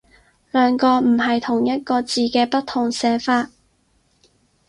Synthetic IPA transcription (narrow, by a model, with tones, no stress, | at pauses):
lœː˨ŋkɔː˧m̩˨˩ɦɐ˨jt̪ʰʊ˨˩ŋjɐ˥t̚kɔː˧t͡siː˨˧kɛː˧pɐ˥t̪ʰːʊ˨˩ŋsɛː˨˧faː˧t̚